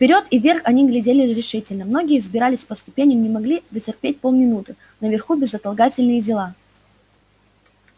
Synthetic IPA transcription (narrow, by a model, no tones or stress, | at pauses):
fʲpʲɪɾʲo̞t̪ɪvʲːe̞rxɐnʲiɡlʲɪdʲelʲɪɾʲɪʂɨtʲɪlʲnəmno̞ɡʲɪjəzbʲɪɾalʲɪsʲpəst̪ʊpʲenʲɪjəmnʲɪmɐɡlʲid̪ətʲɪrpʲet̚ʲpo̞lˠmʲɪnut̪ɨ | nəvʲɪrxubʲɪzɐt̪ɐlˠɡatʲɪlʲnɨjədʲɪlˠa